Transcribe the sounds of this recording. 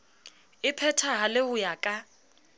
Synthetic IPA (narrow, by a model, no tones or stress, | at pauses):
ɪpʰɛtʰaɦalɪɣʊjakʼa